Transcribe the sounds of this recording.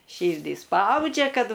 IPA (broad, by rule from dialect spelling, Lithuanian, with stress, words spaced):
ˈʃʲiːrʲdʲiː ˈspɐʊd͡ʒʲɛ ˈkɐt